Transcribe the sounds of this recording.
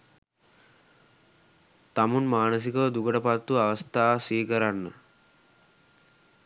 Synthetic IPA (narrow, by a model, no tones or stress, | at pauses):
t̪amunmaːnəs̬ikəd̪uɡəʈəpat̪ːuaʋəst̪aːsiːkəɾanːə̰